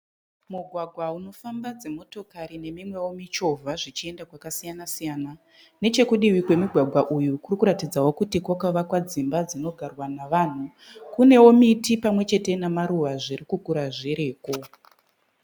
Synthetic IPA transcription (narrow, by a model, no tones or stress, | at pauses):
muɡʱwaɡʱwauno̞fambad͡ze̞mo̞to̞kaɾine̞mimwe̞womit͡ʃo̞vʱaʐit͡ʃie̞ndakwakasijanasijaːna | ne̞t͡ʃe̞kuɗiwikwe̞muɡʱwaɡʱwaʔujukurikuɾatid͡zawo̞kutikwakaʋakwad͡zimbad͡zino̞ɡʱarwanaʋan̤u | kune̞wo̞mitipamwe̞t͡ʃe̞te̞namaɾuʋaʐiɾikukuɾaʐeɾe̞ːko̞